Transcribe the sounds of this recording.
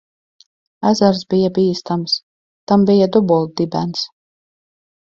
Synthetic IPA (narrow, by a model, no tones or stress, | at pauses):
æzaɾzbijabiːst̪ams | t̪ambijad̪ubɔlˠd̪ibæ̰ns